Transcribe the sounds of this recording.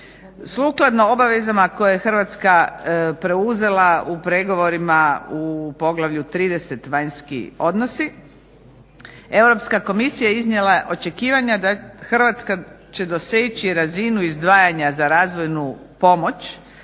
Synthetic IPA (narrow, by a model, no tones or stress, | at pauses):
slˠuːklˠad̪no̞obaʋe̞zamako̞jjexr̩ʋat̪skapɾe̞uze̞laupɾe̞ɡo̞ʋo̞ɾimaupo̞ɡlˠaʋʎut̪ɾiːd̪e̞se̞t̪ʋajɲskḭo̞d̪no̞si | e̞wɾo̞pskako̞misijajeiznjelaʔo̞t͡ʃe̞kiːʋaɲad̪axr̩ʋat̪ska | t͡ɕe̞d̪o̞set͡ɕiɾazinuizd̪ʋaːjaɲazaɾaːzʋo̞jnu | po̞mo̞t͡ʃ